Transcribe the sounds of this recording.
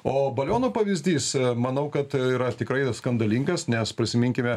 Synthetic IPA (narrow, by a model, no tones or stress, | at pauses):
oːbɐlʲoːnoːpɐʋʲɪzʲd̪ʲiːsmɐnɐʊkɐt̪iːɾɐt̪ʲɪkɾɐɪskɐnd̪ɐlʲiːŋɡɐsnʲɛspʲɾʲɪsʲɪmʲɪŋʲkʲɪmʲɛ